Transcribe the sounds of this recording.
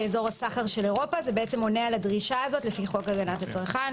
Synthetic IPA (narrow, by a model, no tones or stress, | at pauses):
ezo̞ʁasaχaʁʃe̞leʁo̞pazebeet͡se̞mo̞nealadʁiʃaːzo̞tlefiχo̞kaɡanat̪hat͡sʁχan